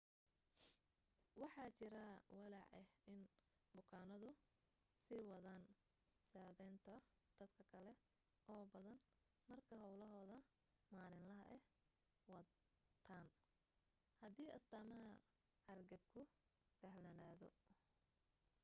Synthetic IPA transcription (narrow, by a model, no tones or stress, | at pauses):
wɑħɑːt͡ʃɪɾɐwɑlɑ̰ʕɛhɪn | bʊkʰaːnɐðʊ | sɪwɐðaːn | saːðɛjnt̪ʰɐ | d̪̥ɐd̪kʰɐkʰɐlɛ | ʔɔːbɐðɐn | mɐrkʰɐɦɔwlɐɦɔːðɐ | maːɾɪnlɐɦɐʔɛh | wɐ | t̪ʰaːn | hɐd̪iːʔɐst̪aːmɐɦɐ | hɐrɡɐb̚kʰʊ | fɛhlɐnaːðɔ